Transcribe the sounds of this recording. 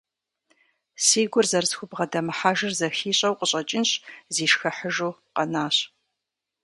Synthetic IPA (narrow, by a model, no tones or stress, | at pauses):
siːɡʷʊrzɐrsxʷʊbʁɐdɐmɨħaːʒɨrzɐxiːɕʼɐwqəɕʼɐt͡ʃʼɪnɕziːʃxɐħəʒuːqɐnaːɕ